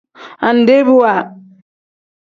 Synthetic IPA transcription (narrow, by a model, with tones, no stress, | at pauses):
a˨nde˦bu˦wa˨